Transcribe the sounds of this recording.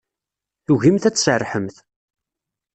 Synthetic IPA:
θuʝimθæt͡sːsərːħəmθ

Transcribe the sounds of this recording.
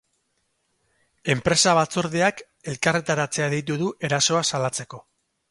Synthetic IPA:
e̞mpɾe̞saβ̞at͡so̞ɾðeak | e̞lkare̞t̪aɾat͡se̞aðijt̪̬uðuʔe̞ɾaso̞asalat͡se̞ko̞

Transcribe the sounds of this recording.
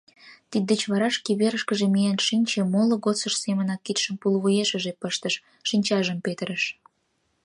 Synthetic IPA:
t̪id̪ːət͡ɕβɑɾɑʃkiβeɾəʃkəʒemijenʃinʲt͡ɕemoloɣot͡səʃsemənɑkːit̪ʃəmpulβujeʃə̆ʒepəʃt̪əʃ | ʃinʲt͡ɕɑʒəmpet̪əɾəʃ

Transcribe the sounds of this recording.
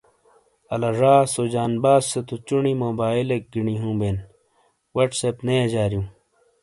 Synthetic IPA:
ɐlaʐaːsoːd͡ʑaːnbaːzːet̪ut͡ɕuɳimoːbaːilek̚ɡiɳiɦũːbeːn | wɐʈsepnejed͡ʑaːɾijũː

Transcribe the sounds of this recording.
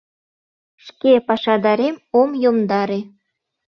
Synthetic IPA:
ʃkepɑʃɑd̪ɑɾemomjomd̪ɑɾe

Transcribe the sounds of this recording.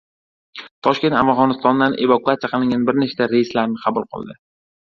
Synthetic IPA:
t̪ʰɒʃkʲe̞nt̪avʁɒnɪst̪ɒnd̪anʔevakuat̪sijaqʰɨlˠɪŋʲanbɪɾneʃt̪aɾejɪslaɾnɪqʰɑbʊlˠqʰɨ̰lˠd̪ɪ

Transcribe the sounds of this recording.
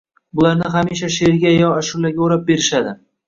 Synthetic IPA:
bʊlaɾnɪɦamiʃ̬aʃeɾɡʲajɒaʃʊlːaɡʲaoɾap̚be̞ɾɪʃad̪ɪ

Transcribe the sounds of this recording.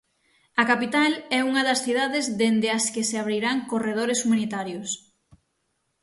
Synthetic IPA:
ɐkapit̪alɛuŋɐðɐsθiðaðezðend̪ɪɐskɪseaβɾiɾaŋkoreð̞oɾesumanit̪aɾjʊs

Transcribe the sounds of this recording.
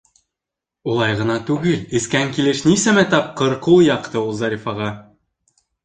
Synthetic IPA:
ulˠɑjʁɤ̆nɑt̪ʉɡɘlɘ̆skæŋkilɘʃnisæmæt̪ɑp̚qɤ̆ɾqujɑqt̪ɤulˠzɑɾʲifɑʁɑ

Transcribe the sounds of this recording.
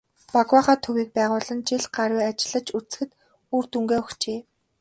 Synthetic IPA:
paɣwaːχaːt̪ʰɵwiːk̚pæːʁʊːɮə̆nt͡ɕiɮɢaɾwʲiːat͡ɕɪ̆ɮə̆t͡ɕut͡s̆xɘ̆t̪ | uːrt̪uŋɡeːɔxt͡ɕeː

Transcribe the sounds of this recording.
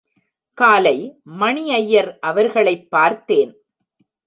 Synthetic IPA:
kaːlɐɪmɐɳiɐjːɐɾʔɐʋɐɾɣɐɭɐɪpːaːɾt̪ːeːn

